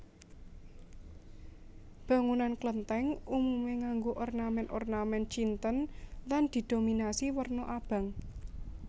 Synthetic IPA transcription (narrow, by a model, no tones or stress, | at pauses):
b̥ä̤ŋunanklənt̪ɛŋumumeŋaŋɡoʔɔrnamɛnʔɔrnamɛnt͡ʃint̪ənland̪̥i̤d̪̥o̤minasiwərnɔʔab̥a̤ŋ